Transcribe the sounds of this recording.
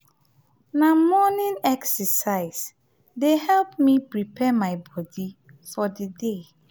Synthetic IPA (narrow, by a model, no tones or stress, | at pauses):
namɔnɪ̃nɛksɛsaɪs | dehɛlpmipɹipʰɛmaɪbɔdi | fɔdəde